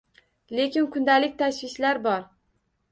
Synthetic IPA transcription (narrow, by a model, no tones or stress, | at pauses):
le̞kʲɪnkʰʊnd̪alɪk̚ʲt̪ʰaswɪʃlaɾbɒɾ